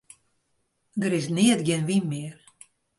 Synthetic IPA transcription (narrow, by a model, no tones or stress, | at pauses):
ɡəɾɪsnɪətɡɪənʋimːɪər